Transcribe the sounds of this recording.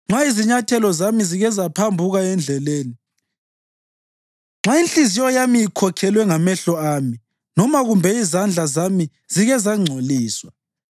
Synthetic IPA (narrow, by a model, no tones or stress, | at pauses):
ŋ͡ǁaiziɲatʰɛlɔzamiziɣɛzapʰambʱuɣaɛnd͡ɮʱɛleːni | ŋ͡ǁainɬizijɔjamijikʰɔkʰɛlwɛŋamɛɬɔaːmi | nɔmaɣumbʱɛizand͡ɮʱazami | z̥iɣɛzaŋ͡ǀʱoliːswa